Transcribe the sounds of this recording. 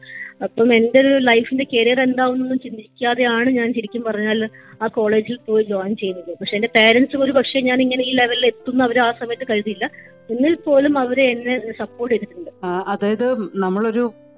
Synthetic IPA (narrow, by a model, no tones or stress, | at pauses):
ɐpːɐme̞nde̞oɾulɐjfinde̞keːɾɐjɐrend̪aːʋonːonːumt͡ɕind̪ikʲːaːðe̞jaːɳɨɲaːnɕiɾikʲːumpɐrɐɲːaːl | aːko̞ːɭe̞ːd͡ʑilpoːjid͡ʑoːjnt͡ɕe̞jːunːulːɐpɐkʂe̞ːnde̞pe̞ːɾɐnsɨo̞ɾupɐkʂeɲaːniŋːɐneiːleʋɐle̞t̪ːunːɐʋɐɾeaːsɐmɐjɐʈːɨkɐɻuðiilːɐ | enːilpo̞ːlumɐʋɐɾeenːe̞sɐpːo̞ːrʈːeɾut̪ːuɳɖɨɐðaːjɐðɨnɐmːɐɭo̞ɾu